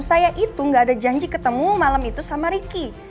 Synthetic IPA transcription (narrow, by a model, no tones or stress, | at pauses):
sajaʔit̪uŋɡaːdad͡ʒaɲd͡ʒikət̪əmumalamit̪usamaɾiki